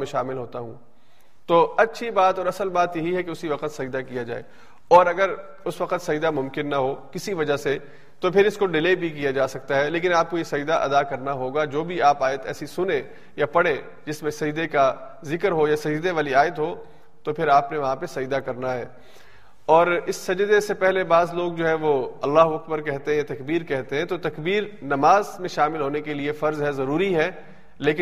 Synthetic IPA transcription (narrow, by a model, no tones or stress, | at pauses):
mẽʃaːmɪlɦoːt̪aɦṵ̃ː | t̪oːɐtːʃʰibaːt̪ɔːɾɐsəlbaːt̪jɐɦiɦɛkeʊsiʋɐqət̪sɐd̪akijad͡ʒa̰ːḛː | ɔːɾɐɡəɾ | ʊsʋɐqət̪sɐd͡ʒd̪amʊ̃mkɪnːɐɦokɪsiʋɐd͡ʒase | t̪opʰɪɾɪskoɖɪleːbʱik̬ijad͡ʒaːsɐk̚t̪aɦɛleːk̬ɪnaːp̚koisɐd̪aʔɐ̰d̪akɐɾnaɦoːɡad͡ʒoːbʱiaːpaːjət̪ɛ̰ːsisʊnẽ | japɐɽẽ | d͡ʒɪsmẽsɐd͡ʒd̪eka | zɪkəɾɦojasɐd͡ʒd̪eʋaːliaːjət̪ɦoː | t̪opʰɪɾaːpneʋɐɦãpesɐd͡ʒd̪akɐɾnaɦɛː | ɔːɾɪsːɐd͡ʒd̪esepɛɦlebaːzloːɡd͡ʒoːɦɛ̃ʋoɐlːaːɦuɐk̚bəɾkɛɦt̪eɦɛ̃jat̪ɐkbiːɾkɛɦt̪eɦɛ̃t̪ot̪ɐkbiːɾnɐmaːzmẽʃaːmɪlɦoːnekeliefɐɾzɦɛzɐɾuːɾiɦɛ | leːkɪ